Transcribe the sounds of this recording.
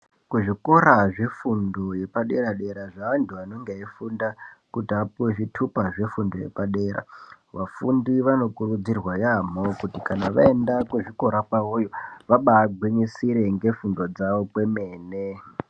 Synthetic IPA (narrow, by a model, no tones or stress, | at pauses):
kuʐikoɾaʐe̞fundo̞je̞paɗe̞ɾaɗe̞ɾaʐaʋantʰuano̞ŋɡeaifundakutiapueʐitʰupaʐe̞fundo̞je̞̰paɗeːɾa̰ | ʋafundiʋano̞kurud͡zirwajamokutikanaʋae̞ndakuʐiko̞ɾakwaujoʋaɓaːɡʱwiɲisiɾe̞ŋɡe̞fundo̞d͡zaʋo̞kwe̞me̞ːne